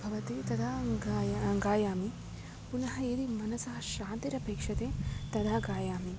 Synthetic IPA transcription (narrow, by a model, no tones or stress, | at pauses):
bʱɐʋɐt̪it̪ɐt̪ʰa | ɡaːjaːmi | punɐɦɐeːd̪imɐnɐsɐɦɐʃaːnt̪iɾɐpeːkʂɐt̪eːt̪ɐd̪ʰʱaɡaːjaːmi